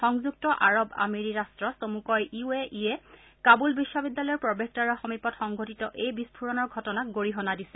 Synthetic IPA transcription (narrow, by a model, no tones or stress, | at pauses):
xɔŋzuk̚tɔʔaɹɔba̰meɹiɹastɹɔsomukɔjiueʔiɛ | kabulbiʃːɔbidːalɔjɔɹpɹɔbek̚taɹɔxɔmipɔtxɔŋɡotitɔʔejbispʰuɹɔnɔɹɡʱɔtɔnak̚ɡoɹiɦɔnadisɛ̥